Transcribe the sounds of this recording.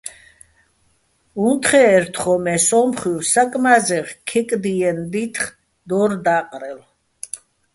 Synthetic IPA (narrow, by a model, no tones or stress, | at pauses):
unt̪χɛːɾt̪ʰχɔmɛsɔmχiwsakʼmazɛʁkʰɛkʼd̪iɛnd̪it̪ʰχ | d̪ɔɾd̪aqʼɾɛl